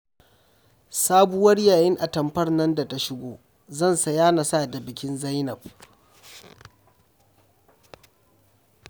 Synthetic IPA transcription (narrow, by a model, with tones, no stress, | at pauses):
saː˦bu˦wɐ˦rjaː˨jɪ˦ŋʔa˨tɐ˨mɸɐ˦rnɐ˦nda˨ta˦ʃɪ˦ɡʷoː˦˨ | zɐ˦˨nsɐ˨jaː˦na˨saː˦˨da˨bɪ˨kʲɪ˦nza˦jnɐ˨b̚